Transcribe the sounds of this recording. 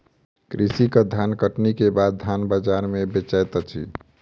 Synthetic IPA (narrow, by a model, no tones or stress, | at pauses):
kɾisikəd̪ʱjankəʈnikebad̪̚d̪ʱanbəd͡ʒaɾmebet͡ʃəjt̪ɔt͡ʃʰḭ